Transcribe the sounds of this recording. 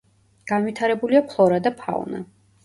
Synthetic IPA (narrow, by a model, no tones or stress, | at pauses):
ɡ̥anvit̪ʰaɾɛbuliapʰlˠɔɾad̪apʰa̰vna̰